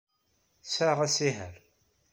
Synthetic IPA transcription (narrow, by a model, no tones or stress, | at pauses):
sæʁæsiɦəɾ